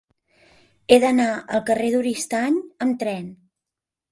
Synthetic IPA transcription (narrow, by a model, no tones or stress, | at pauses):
eðənaəlˠkəreðuɾist̪aɲəmt̪ɾɛn